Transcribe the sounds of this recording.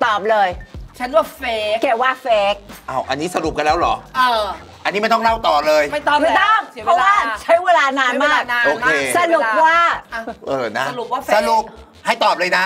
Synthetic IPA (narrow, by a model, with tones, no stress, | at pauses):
t̪ɔː˨˩p̚lɤː˧jt͡ɕʰa˦˥nwaː˥˩feː˦˥ke˨˩waː˥˩feː˦˥k̚ʔa˧˩wʔa˧nːi˦˥sa˧ɾu˨˩p̚ka˧nlɛː˦˥wlɔ̰˨˩˦ʔː | ʔa˧nː˦˥ma˥˩t̪ɔ˥˩ŋla˥˩wt̪ɔː˨˩lɤː˧jma˥˩j̪ma˥˩jt̪ɔ˥˩ŋ˨˦pʰɔ˦˥˦waː˥˩t͡ɕʰa˦˥jweː˧laː˧naː˧nmaː˥˩kn˧o˧kʰe˧sa˧lu˨˩p̚waː˥˩˧ʔɤː˧˩na˦˥˧lu˨˩p̚waː˥˩sa˧ɾu˨˩p̚ | ha˥˩jt̪ɔː˨˩p̚lɤː˧jna˦˥